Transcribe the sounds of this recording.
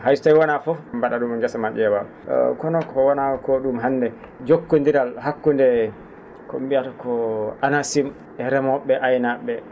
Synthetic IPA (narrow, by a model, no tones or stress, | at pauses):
hajstajwɔnafɔmbaɗaɗumɛŋɡɛsamaɓɛwa | kɔnɔkɔwɔnakɔɗumɦanːdɛ | d͡ʒokːondiɾalɦakːundɛ | ko̰mbiaɾkɔʔanasim | ɛɾɛmɔɓːɛʔajnaɓːɛ